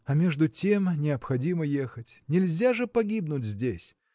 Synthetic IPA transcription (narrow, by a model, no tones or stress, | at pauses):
ɐmʲeʐd̪ʊtʲemnʲɪɐpxɐdʲiməjexətʲnʲɪlʲzʲaʐɨpɐɡʲibnʊtʲzʲdʲesʲ